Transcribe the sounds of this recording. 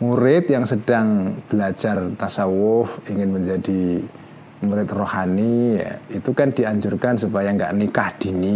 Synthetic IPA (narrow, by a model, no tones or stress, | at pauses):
muɾɪt̪jaŋsəd̥aŋb̥əlḁd͡ʒ̥art̪asawʊfiŋɪnməɲd͡ʒad̥i | muɾɪt̪rohanija̰it̪ukand̥iaɲd͡ʒʊrkansupajaŋɡa̰ʔnikahd̥i̤ni